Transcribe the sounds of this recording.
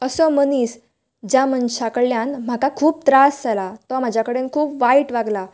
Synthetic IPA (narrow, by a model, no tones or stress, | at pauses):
əsɔməniːs | d͡ʑjamənɕakəɭljãnm̤akakʰuːp̚t̪ɾasd͡zalat̪ɔam̤ad͡ʑʱjakəɽenkʰuːpʋaiʈʋaɡla